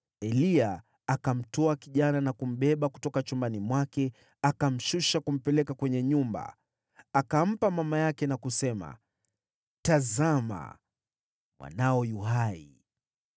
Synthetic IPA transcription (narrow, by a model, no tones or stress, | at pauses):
ɛliaː | kam̩tɔakiʄananakum̩ɓɛɓaku̥tɔkat͡ʃumbanimwakɛ | akam̩ʃuʃakum̩pɛlɛkakwɛɲɛɲumba̰ | akam̩pamamajakɛnakusɛma̰ | tazama̰ | mwa̰naɔjuɦaḭ